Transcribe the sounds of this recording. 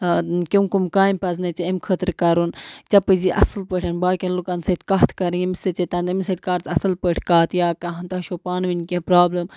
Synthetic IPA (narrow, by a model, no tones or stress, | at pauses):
kʲimkumkaːjmpɐznɐt͡ʃeemkʰət̪ɾkɐɾunt͡ʃɐpɨziʔɐ̰sɐlpəʈʰʲɐnbaːkʲɐnlukɐnsɐt̪kaːt̪ʰkɐɾiimiset͡ʃet̪ɐnd̪ɐmsɐt̪̚kaːɾt̪ɐsɐlpəʈʰkaːt̪ʰjaːkɐɦɐ̃nt̪aːʃopaːnʋinkʲẽpɾaːblɐm